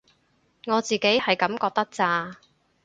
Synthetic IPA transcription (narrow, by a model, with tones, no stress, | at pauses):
ŋɔː˨˧t͡siː˨ke˨˥jhɐ˨jkɐ˨˥mkɔː˧k̚t̪ɐ˥k̚t͡saː˧